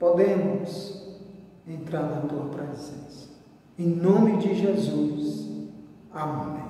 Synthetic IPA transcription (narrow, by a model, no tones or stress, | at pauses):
pod̪ẽmʊs | ẽnt̪ɾaɾẽt̪õlɐpɾezẽsɐ̥ | ẽj̃nõmɪd͡ʒɪʒezus | amõ̰nẽ